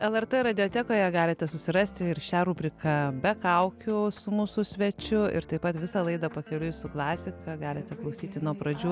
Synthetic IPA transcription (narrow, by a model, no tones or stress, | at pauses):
ɛlˠɛɾt̪ɛɾɐd̪ʲɪoːt̪ʲɛːkoːjɛɡɑːlʲɪt̪ʲɛsʊsʲɪɾɑːsʲt̪ʲɪɪɾʃʲæːɾuːpʲɾʲɪkɐbʲɛkɐʊkʲʊsʊmuːsʊsʲʋʲɛt͡ʃʲʊɪ̰ɾt̪ɐɪpɐt̪ʋʲɪsɐlˠɐɪd̪ɐpɐkʲɛlʲʊjʊsʊklˠɑːsʲɪkɐɡɑːlʲɪt̪ʲɛklˠɐʊsʲiːt̪ʲɪnuɔpɾɐd͡ʒʲuː